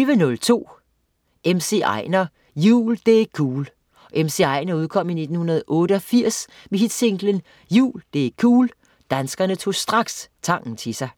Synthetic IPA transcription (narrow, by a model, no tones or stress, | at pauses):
yʋənɔ̽lt͡sʰo̝̰ː | emse̝̰ɑɪnɐ | jṵːld̥e̝kʰuːl | ʔemse̝ɑ̈ɪ̰nɐuðˠkʰɒ̽m̰ine̝d̥n̩hunɐð̞̩ˠʔɔ̽ːɾəɒ̽fiɐ̰s | meɦid̥se̝ŋɡ̥lən | jṵːld̥e̝̰kʰuːl | d̥ænsɡ̥ɐnət͡sʰo̝̰ːsd̥ʁɑ̈ɡ̥st͡sʰɑ̈ŋ̰n̩t͡sʰesɑ̈ɪ